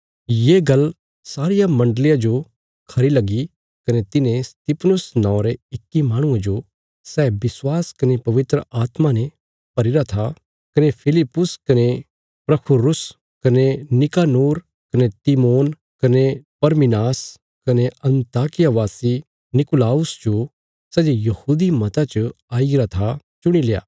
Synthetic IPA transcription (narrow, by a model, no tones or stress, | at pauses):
jeːɡɐl | saːɾɪjamɐ̃ɳɖəlɪjad͡ʒo | kʰɐɾilɐɡi | kɐnet̪ɪnẽst̪ɪpʰnʊsnãːɾeɪkːimaːɽ̃ʊ̃ẽd͡ʒo | sɛːbɪswaːskɐnepɐʋɪt̪ɾəaːt̪manẽ | pɐɾɪɾat̪ʰa | kɐnepʰɪlɪpːʊskɐne | pɾɐpʰʊɾʊs | kɐnenɪkaːnoːɾ | kɐnet̪imoːn | kɐnepɐɾmɪnaːs | kɐneɐ̃nt̪aːkɪjaʋaːsi | nɪkʊlaːʊsd͡ʒo | sɛːd͡ʒojɐhuːd̪imɐt̪at͡ʃəaːiɡɾat̪ʰat͡ʃʊɽ̃ileːa̰ː